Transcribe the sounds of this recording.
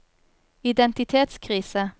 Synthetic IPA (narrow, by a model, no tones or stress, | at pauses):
ɪd̪ɛnt̪ɪt̪ʰeːt̪skʰʁiːsə